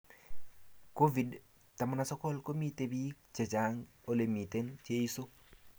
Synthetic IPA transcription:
ko˦vi˨d | ta˨ma˨na˨sɔ˦kɔ˦lko˦mi˦t̪e˦bi˦ | t͡ʃe˨t͡ʃa˨ŋ | o˦le˨mi˨t̪e˦nt͡ʃe˦i˦so˦

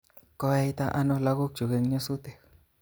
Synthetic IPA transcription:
ko˧e˧jt̪a˦ʔa˦˧nõ˧la˧ɣu˦k̚t͡ʃu˨ɣe˧ŋɲõ˦su˦t̪e˨

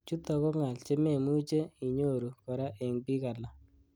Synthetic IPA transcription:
t͡ʃu˦t̪ɔ˨kɔ˦ŋa˨lt͡ʃe˦me˦˨mu˦t͡ʃe˦i˨ɲo˦ɾu˨kɔ˨ɾa˦ʔe˨ŋpi˦ka˨la˨

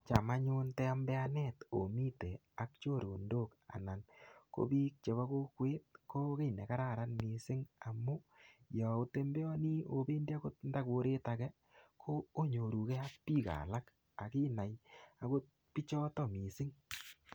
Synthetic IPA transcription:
t͡ʃa˨ma˦ɲʊ˦ntɛ˦a˦mbɛ˦a˦nɛ˦to̰˨mi˦te˨ | a˨kt͡ʃo˦˨ɾo˨ndo˦ka̰˨na˨nko̰˦biː˦k̚t͡ʃe˨βa˦ko˦kweː˦tko˦ke˦jne˨ka˦ɾa˦˨ɾa˦nmi˨sɪ˦ŋa˨mu˦jɔ˨o˦te˦mbe˦ɔ˦ni˦o˨beː˦ndi˦a˦ko˦t̚nda˦ko˨ɾe˦takɛ˦ | kʰoː˦ɲo˨ɾu˨kɛ˦a˦pːiː˦ka̰˨la˦k | a˨ki˦na˨ja˦ko˦t̚ | pi˦t͡ʃɔ˦tɔ˦mi˨sɪ˦ŋ

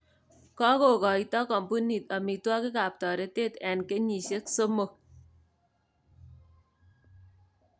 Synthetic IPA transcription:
kɔ˦ko˨kɔ˨i˦tɔ˦kɔ˨mpu˦ni˨ta˨mi˨twɔ˦kɪ˦ka˨p̚tɔ˨ɾe˦te˦˨tɛ˨nke˦ɲi˨ʃe˦kso˦mo˨

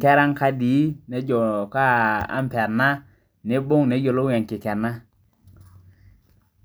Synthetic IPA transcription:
kɛ˦ɾa˦ŋka˦diː˨˦ne˦d͡ʒɔ˨ka˦a̰˦mpɛ˨ɾna˦ | ne˦bo˦ŋne˦d͡ʒo˨lo˦ɛ˨ŋki˨kɛ˨ɾna˦

